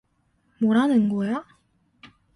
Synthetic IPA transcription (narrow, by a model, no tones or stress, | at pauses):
moɾanɯnɡoja